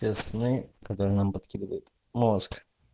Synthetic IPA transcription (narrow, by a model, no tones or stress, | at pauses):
esnɨkɐt̪oɾɨnampɐt̪̚kʲid̪əvəjʊt̪ | mosk